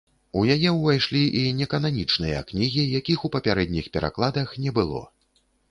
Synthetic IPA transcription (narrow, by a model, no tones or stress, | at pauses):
ujajɛwvajʂlʲiʔinʲɛkɐnanʲit͡ʂnɨjɐ̰knʲiɣʲijakʲixupɐpʲaɾɛd̪ʲnʲixpʲɛɾʔa̰klˠad̪ɐxnʲɛbɨlˠɔ̰